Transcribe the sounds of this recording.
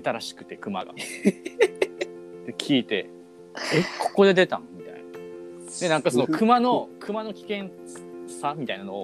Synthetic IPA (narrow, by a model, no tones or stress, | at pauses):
et̪aɾaɕi̥kɯ̟̥t̪e̞kɯ̟maɡa̰ | d̪̥e̞kʲʰiːt̪e̞ | ekʰo̞̥ko̞d̪e̞d̪e̞t̪ã̰mʲit̪a̰ina | d̪e̞nãŋkaso̞no̞kɯ̟mano̞kʰɯ̟mano̞kʲi̥kẽ̞ɰ̃ | samʲit̪ainano̞o